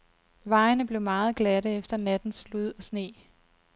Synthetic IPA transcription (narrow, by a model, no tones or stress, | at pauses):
ʋɑ̈ɪnəb̥le̝ʊmɑ̈ːð̞̩ˠɡ̥læɾəefd̥ɐnæd̥n̩sluð̞̰ˠɒ̽sne̝̰ː